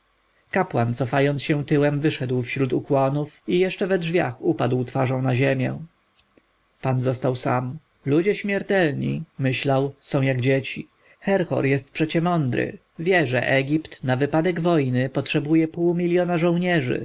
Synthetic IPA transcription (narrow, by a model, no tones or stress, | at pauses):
kapwant̪sɔfajɔnsɕɛ̃t̪ɘwɛmvɘʂɛd̪wfɕɾut̪ukwɔnufijɛʂt͡ʂɛvɛdʐvʲja̰xupad̪wt̪faʐɔ̃w̃naʑemʲjɛ̰̃ | panzɔst̪awsa̰m | lud͡ʑɛɕmʲjɛɾt̪ɛlɲḭmɘɕlawsɔ̃w̃jaɡd͡ʑet͡ɕi | xɛɾxɔ̰ɾjɛst̪̚pʂɛt͡ɕɛmɔnd̪ɾɘ̰ | vʲjɛʐɛ̰ʔɛɡʲipt̪navɘpad̪ɛɡvɔjnɘpɔtʂɛbujɛpuwmʲilʲjɔnaʐɔ̃w̃ɲɛʐɘ̰